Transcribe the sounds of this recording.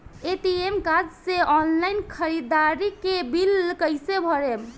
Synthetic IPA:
et̪iemkad͡ʒseɔnlajnkʰəɾid̪aɾikebilkəjsebʱʌɾem

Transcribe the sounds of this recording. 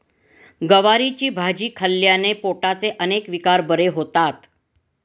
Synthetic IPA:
ɡəʋaɾit͡ɕiːbʱad͡ʑiːkʰəlːjanepoʈat͡seʔənekʋikaɾbəɾeɦot̪at̪

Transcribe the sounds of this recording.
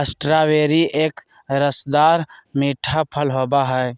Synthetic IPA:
əsʈɾaweɾiʔeːk | ɾəsd̪aːɾmiʈʰapʰəlɦobaɦɛe

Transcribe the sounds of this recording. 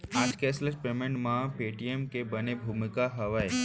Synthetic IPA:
aːd͡ʒkeslət͡ʃpɾemə̃ɳɖmãpeːʈiemkebənebʱuːmɪkaɦɐʋəe

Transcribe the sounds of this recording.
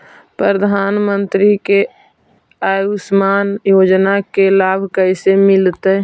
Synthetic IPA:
pɾəəd̪ʱaːnmənt̪ɾike | ajusmaːnjod͡ʒnakelaːbʱkəɪsemɪlt̪ə

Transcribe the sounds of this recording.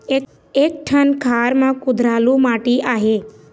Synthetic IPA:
eːk̚ʈʰənkʰaːɾmãkʊd̪ʱɾaːlũmaːʈiaːɦeː

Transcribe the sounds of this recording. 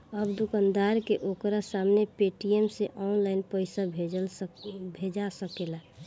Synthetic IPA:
əbd̪ukand̪aɾkeʔokɾasamnepeʈiemseʔɔnlaɪnpəɪsabʱe | bʱed͡ʒasəkela

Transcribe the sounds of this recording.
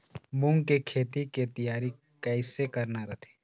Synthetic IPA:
bʊ̃ŋɡkekʰeːt̪it̪et̪ɐjaːɾi | kɛːɪsekɐɾnaɾɐt̪ʰe̥ː

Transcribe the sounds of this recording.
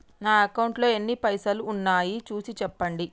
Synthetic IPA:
naːɐkɐwɳʈlo̞ːenːipɐjsɐluːnːaːjit͡ʃuːsit͡ʃɛpːɐɳɖi

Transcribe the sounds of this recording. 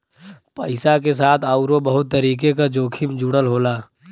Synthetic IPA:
pəɪsakesaːt̪ʰaʊɾobəɦʊt̪ːəɾiːk̬ekad͡ʒoːkʰɪmd͡ʒuɽəlɦoːlaː

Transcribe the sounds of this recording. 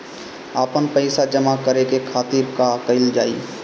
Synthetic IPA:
aːpənpəɪsad͡ʒəmakəɾekekʰaːt̪iɾkakəɪld͡ʒaːḭ

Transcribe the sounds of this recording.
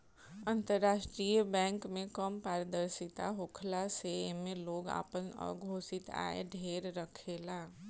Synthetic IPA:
ə̃nt̪əɾːaːʃʈɾijəbɛ̃ːŋkmẽkəmpaːɾəd̪əɾsɪt̪a̰ɦoːkʰlasemẽloːɡa̰ːpənə̰ːɡʱoːsɪt̪a̰ːḛɖʱeːɾɾəkʰeːlaː

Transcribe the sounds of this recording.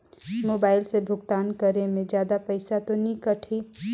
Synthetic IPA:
moːbaːɪlsebʱʊɡt̪aːnkəɾemẽd͡ʒjaːd̪apəɪsat̪onikəʈʰi

